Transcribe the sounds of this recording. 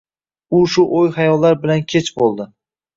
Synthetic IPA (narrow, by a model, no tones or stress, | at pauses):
ʊʃʊʔojhajɒlːaɾbɪlankʲʰe̞t͡ʃbolˠd̪ɪ